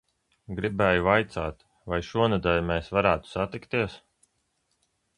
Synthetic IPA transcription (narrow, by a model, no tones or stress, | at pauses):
ɡɾibɛːjuvajt̪saːt̪ | vajʃuɔnad̪ɛlʲmɛːsvaɾæːt̪u̥sat̪ikt̪iɛs